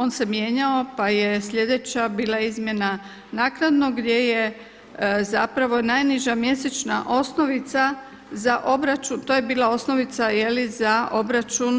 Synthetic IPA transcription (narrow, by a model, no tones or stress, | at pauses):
o̞nse̞mje̞ɲao̞paje̞slʎʲe̞d̪e̞t͡ɕabiːlˠaizmje̞na | naːknad̪no̞ɡd̪je̞je̞ | zapɾaʋo̞najniʒamje̞set͡ʃnaʔo̞sno̞ʋit̪sa | zaʔo̞bɾat͡ʃunt̪oːjebiːlˠao̞sno̞ʋit̪saje̞lizaʔo̞bɾat͡ʃun